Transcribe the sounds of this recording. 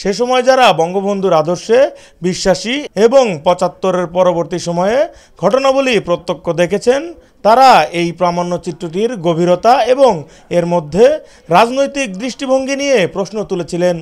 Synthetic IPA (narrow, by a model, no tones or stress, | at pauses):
ʃeʃɔmɔed͡ʑaɾabɔŋɡobond̪ʱuɾad̪oɾʃe | biʃːaʃieboŋpɔt͡ɕat̪ːoɾeɾpɔɾoboɾt̪iʃɔmɔe | ɡʱɔʈonabulipɾot̪ːokːod̪ekʰet͡ɕʰen | t̪aɾaejpɾamanːot͡ɕit̪ːoʈiɾɡobʱiɾot̪aeboŋ | eɾmod̪ʱːe | ɾad͡ʑnojt̪ik̚d̪ɾiʃʈibʱoŋɡinijepɾosnot̪ulet͡ɕʰilen